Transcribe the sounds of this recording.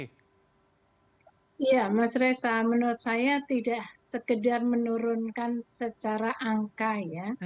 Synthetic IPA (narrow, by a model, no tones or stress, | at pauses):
ijamasɾesamənuɾʊt̪̚sajat̪idaʔsəkədarmənuɾʊnkansət͡ʃaɾaʔaŋkaja